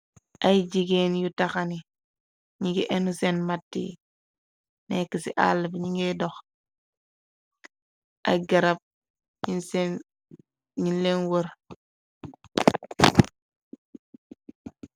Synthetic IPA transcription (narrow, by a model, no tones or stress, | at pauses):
ʔajd͡ʒiɡeːnjutaxani | ɲiŋɡiʔɛnusɛnmatːḭ | nɛkːisḭʔa̰lːbɲiŋɡɛdɔx | ʔa̰ɡaɾap̚ | ɲinsn | ɲinlenwəɾ